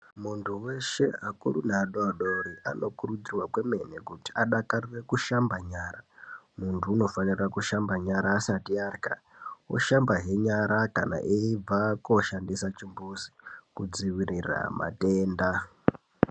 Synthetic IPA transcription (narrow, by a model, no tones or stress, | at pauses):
muntʰuwe̞ʃe̞akṵrunaːɗoaɗoɾiʔa̰no̞kurud͡zirwakweme̞nekuti̥aɗakarire̞kuʃambaɲaɾamuntʰuːno̞fanirakuʃambaɲaɾaːsatiarika̰wo̰ʃambaɦe̞ɲaɾakana̰ʔeib͡vako̞ʃandisat͡ʃimbusi̥kud͡ziʋirira̰ma̰teːnda